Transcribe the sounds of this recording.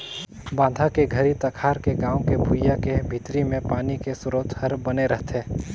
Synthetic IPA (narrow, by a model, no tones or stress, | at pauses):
bãːd̪ʱakeɡʱəɾit̪ɐkʰaːɾkeɡãːõkebʱujakebʱit̪ɾimẽpaːnikesʊɾot̪həɾbɐneɾɐɦt̪ʰeː